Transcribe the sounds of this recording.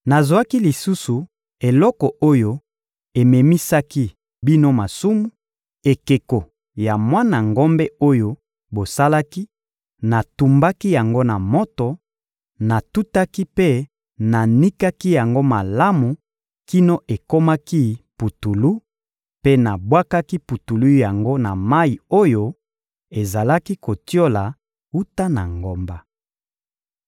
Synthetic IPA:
na˨zwa˦ki˦li˨su˦su˨ | e˨lɔ˦kɔ˨ʔo˦jo˦ | e˨me˨mi˦sa˦ki˦ | bi˦no˦ma˨su˦mu˦ | e˨ke˨ko˨ | ja˨mwa˦na˨ŋɡo˦mbɛ˦o˦jo˦ | bo˨sa˦la˦ki˦ | na˨tu˨mba˦ki˦ja˨ŋɡo˦na˨mo˦to˨ | na˨tu˦ta˦ki˦pe˦ | na˨ni˦ka˦ki˦ja˨ŋɡo˦ma˨la˦mu˨ | ki˦no˦ʔe˨ko˦ma˦ki˦pu˨tu˨lu˦ | pe˦na˨bwa˦ka˦ki˦pu˨tu˨lu˦ja˨ŋɡo˦na˨ma˦i˨o˦jo˦ | e˨za˨la˦ki˦ko˨tjo˦la˨ | u˦ta˦na̰˨ŋɡo˨mba˦

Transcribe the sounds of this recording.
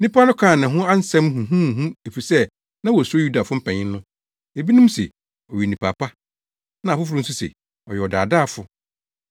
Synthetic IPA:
nĩ˦pʰa˦nʊ̃˦kʰã˦˨nɪ̃˨ɦʊ̃˦a˦n̩˦sɛ̃˦mɦũ˨ɦũ˦˨ɦũ˦e˨fi˨sɛ˦ | nã˦wɔ˨sʊ˦o˦ju˦da˨fʊ˦m̩˦pʰɛ̃˨ɲɪ̃˦nː˦ʊ̃˦ | e˨bi˦nũ˦m˦sɛ̰˨ | ɔ˨ɥi˨nĩ˨pʰa˨pa˦ | nã˨fʊ˦f̬ʊ˦ɾʊ̃˦n̩˦s̬ʊ˦sɛ̰˨ | ɔ˨jɛ˨ɔ˨da̰ː˨daː˦˨fʊ˨

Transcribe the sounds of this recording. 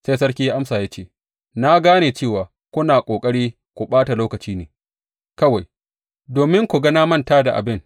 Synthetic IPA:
se˦jsɐ˦ɽkʲiː˦ja˦ʔa˦msaː˨ja˦t͡ʃeː˦˨ | na˦ɡaː˦neː˨t͡ʃeː˦˨waː˨ | kʷʊ˦naː˨kʷʼoː˨kʼɐ˦ɽiː˦ | kʷu˨ɓaː˦ta˨loː˦kɐ˨t͡ʃiː˦nḛː˨ | kɐ˦wa˨j | doː˨mɪ˦ŋkʷu˨ɡɐ˦naː˦mɐ˦ntaː˦da˨ʔa̰˨bɪ˦ŋ

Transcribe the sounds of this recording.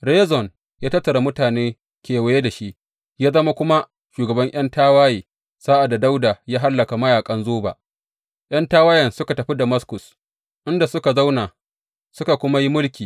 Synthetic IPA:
ɽeː˦zɔ˨n | jaː˦tɐ˦tːɐ˨ɽa˨mʊ˦taː˨neː˦ | kʲeː˨we˦je˦da˨ʃi˦ʔ | jaː˦zɐ˦ma˦kʷʊ˦ma˦ | ʃuː˨ɡɐ˨bɐ˦ɲʔj̰ɐ˦ntaː˦waː˦jiː˨ | saː˦ʔa˨dːa˨da˦wdaː˨jaː˦ɦa˦lːɐ˨ka˨mɐ˦jaː˨kʼɐ˦nzoː˦ba̰ː˨ | ʔj̰ɐ˦ntaː˦waː˦jɛ˨nsʊ˦ka˨tɐ˨ɸi˦da˨mɐ˦skʊ˨s | ʔɪ˦nda˨sʊ˦ka˨za˦wna˨ | sʊ˦ka˨kʷʊ˦ma˦ji˦mʊ˦lkʲiː˨

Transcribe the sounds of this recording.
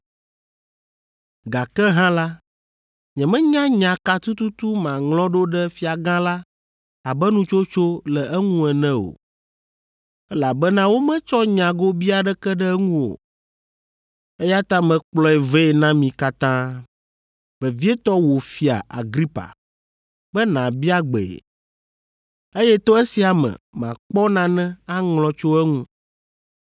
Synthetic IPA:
ɡa˨kɛ˦ɦã˦la˦ | ɲɛ̃˨mɛ̃˦ɲã˦ɲã˨ka˦t̪u˦t̪u˦t̪u˦mã˨ŋlɔ̃˦ɖo˦ɖɛ˦fi˦a˨ɡã˦la˦ | a˨bɛ˦nũ˦t͡ʃo˦t͡ʃo˦lɛ˨ɛ˦ŋũ˦ɛ˨nɛ̃˦o̰˨ | ɛ˦la˨bɛ˦nã˦wo˦mɛ̃˦t͡ʃɔ˦ɲã˨ɡo˦bi˦a˨ɖɛ˦kɛ˦ɖɛ˦ŋũ˦wo̰˨ | e˦ja˦t̪ã˦mɛ̃˨k͡plɔ˦ɛ˨ve˦ɛ˨nã˦mĩ˨ka˦t̪ã˦ | vɛ˨vi˦ɛ˦t̪ɔ˦wo˨fi˦a̰˨ʔa̰˨ɡɾi˦pa̰˨ | bɛ˦nã˨bi˦a˦ɡ͡bɛ̰˨ | e˦jɛ˦t̪ɔ˦e˦si˨a˨mɛ̰̃˨mã̰˨k͡pɔ˦nã˨nɛ̃˦a˦ŋlɔ̃˨t͡ʃo˦ɛ˦ŋũ˦

